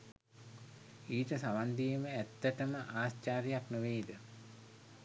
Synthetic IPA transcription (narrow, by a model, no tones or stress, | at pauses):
iːʈəsaʋand̪ijəməæt̪ːəʈəməʔaːst͡ʃaːɾijaknuʋeːid̪ə